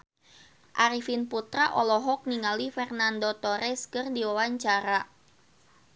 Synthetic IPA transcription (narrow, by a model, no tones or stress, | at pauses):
ʔaɾifinput̪ɾaʔɔlɔɦɔk̚niŋalifɛrnandot̪ɔɾɛskɨrdiwawaɲt͡ʃaɾa